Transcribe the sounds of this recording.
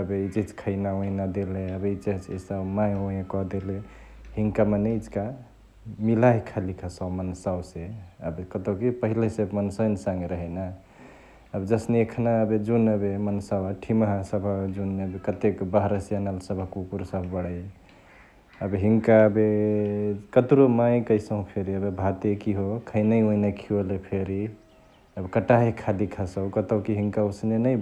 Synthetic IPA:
əbeit͡ʃid͡ʒkʰəɪnaõĩnad̪eleəbeit͡ʃet͡ʃesabmajõẽkɔd̪ele | hiŋkamaneid͡ʒka | milaɦkʰalikʰəsawmənsawseəbkət̪okipəɦilesebmənsəjnsãŋɡɾəɦɛna | əbd͡ʒəsniekʰnaəbed͡ʒunəbemənsawaʈʰiməɦasəbʱad͡ʒunːəbekət̪ekbəɦɾəsijanalsəbʱakukuɾsəɦũbəɽəj | əbɦiŋkaəbe | kət̪ɾomãjkəsə̃ɦũpʰeɾiəbebʱat̪ekiɦokʰəɪnəõinakʰiolepʰeɾi | əbkəʈaɦekʰalikʰəsəwkət̪əwkiɦiŋkausnenəj

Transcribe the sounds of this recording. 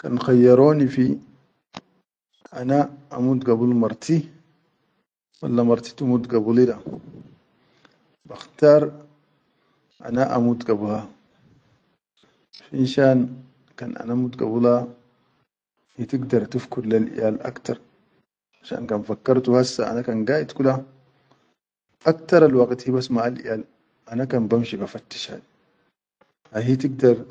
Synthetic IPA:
kanxajːɑɾˤoːnifi | ʔanaʔa̰mud̪ɡabulmɑɾˤt̪ʰi | wa̰lːamɑɾˤt̪i̥t̪umud̪ɡabulida | baxt̪aːɾˤ | ʔa̰naʔa̰mud̪ɡabula | finʃaːn | kanʔa̰namud̪ɡa̰bula | hit̪iɡd̪ɑɾˤt̪ufkudlalʔḭjaːlʔa̰kt̪ɑɾˤ | ʔaʃa̰ːnkanfakːɑɾˤt̪uhasːa̰ʔa̰nakanɡaːʔit̪kula | ʔakt̪ɑɾˤalwaɡt̪hibasmaʔalʔḭjaːl | ʔanakanbamʃibafat̪ːi̥ʃha̰di | ʔaɦit̪iɡd̪ɑɾˤ

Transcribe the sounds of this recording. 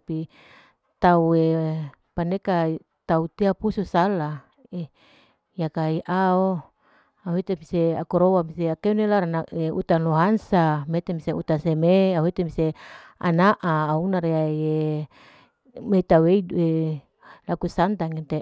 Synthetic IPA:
pi | t̪aue | paneka | t̪aut̪eapususala | e | jakaiʔao | auet̪emiseakuɾowamiseakeunelaɾanaʔeut̪anloɦansamet̪emiseut̪asemeawɦet̪emisea̰naʔaːunaɾeaie | meit̪auweidue | lakusant̪aŋint̪e

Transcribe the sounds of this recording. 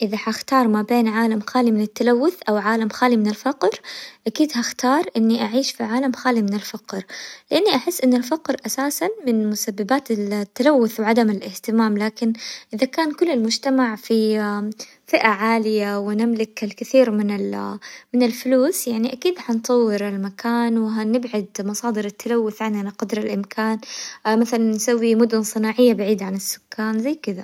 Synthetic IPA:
ʔɪðaħaxt̪ɑːɾˤmabeːnʕaːlamxaːlimɪnɪt̪ːalawːʊθʔawʕaːlamxaːlimɪnɪlfaqɾʔakiːd̪haxt̪ɑːɾˤʔɪnːiʔaʕiːʃfiʕaːlamxaːlimɪnɪlfaqɾlɪʔanːiʔaħɪsːʔɪnːɪlfaqɾʔasaːsanmɪnmʊsabːɪbaːt̪ɪlt̪ːalawːʊθwʕad̪amɪlʔɪht̪ɪmaːmlaːkɪnʔɪðakaːnkʊlːɪlmʊd͡ʒt̪amaʕfi | fɪʔaʕaːlɪjawɪnɪmlɪkɪlkɪθiːɾmɪnɪlmɪnɪlfʊluːsjaʕniʔakiːd̪ħant̪ˤɑwːɪɾalmakʰaːnwɪɦanɪbʕad̪mɑsˤɑːd̪ɨɾɪt̪ːalawːʊθʕand̪anaqɑd̪ɾɪlʔɪmkʰaːnmaθalannːsawːimʊd̪ʊnsˤɨnaːʕɪjːabaʕiːd̪ʕanɪsːʊ̥kːaːnzajːkɪd̪a

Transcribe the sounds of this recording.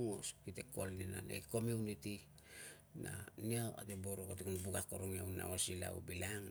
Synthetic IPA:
oskiteko̞lnina̰nḛko̞muuniti | naniawa̰teboɾokotekunbuɡako̞ɾoŋiawna̰osila̰w̰bilaŋ

